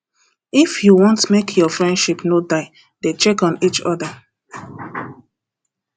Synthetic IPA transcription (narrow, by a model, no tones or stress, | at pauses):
ifjuwɔ̃ntmekʰjɔfɹɛ̃ndʃipnodaɪ | det͡ʃɛkɔ̃nit͡ʃɔdə